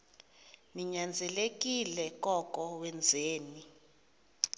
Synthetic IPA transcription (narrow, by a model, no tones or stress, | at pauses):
niɲand͡zʱɛlek̬ʼilɛk̬ʼɔkʼɔwɛnd͡zʱeːni